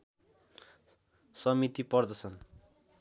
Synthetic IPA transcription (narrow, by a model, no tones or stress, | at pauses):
sʌmit̪ipʌrd̪ʌt͡sʰʌn